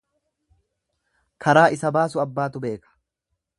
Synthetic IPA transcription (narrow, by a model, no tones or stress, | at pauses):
kʰɐɾaːʔɪsɐbaːsʊɐbːaːt̪ʊbe̞ːkɐ̥